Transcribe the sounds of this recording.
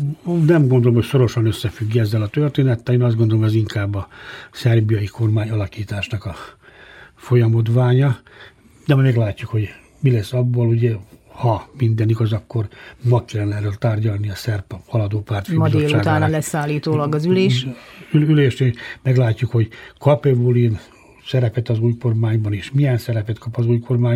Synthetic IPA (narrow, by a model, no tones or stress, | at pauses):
nɛmɡo̞nd̪olomho̞cso̞ɾo̞ʃɒnø̞sːɛfyɡːɛzːɛlɒt̪ørt̪eːnɛt̪ːɛleːnɒzd̪ɡond̪o̞lomɛziŋkaːbːɒsɛrbijɒjiko̞rmaːɲɒlɒkiːt̪aːʃnɒkɒ | fo̞jɒmo̞d̪ʋaːɲɒ | d̪ɛmɒmɛɡlaːcːukho̞ɟ | milɛsːɒbːoluɟɛhɒmind̪ɛniɡɒzɒkːo̞rmɒkkːɛlnɛɾølt̪aːrɟɒlniɒsɛrphɒlɒd̪oːpaːrt̪imdzoeːlːt͡ʃauːɡt̪aːnlɛsaːlːiːt̪oːlɒɡɒzyleːʃyyleːʃnemɛɡlaːcːukho̞ɟkɒpɛvulin | sɛɾɛpɛt̪ɒzuːjko̞rmaːɲbɒneːʃmijɛnsɛɾɛpɛt̪kʰɒpɒzuːjkʰo̞rmaːɲ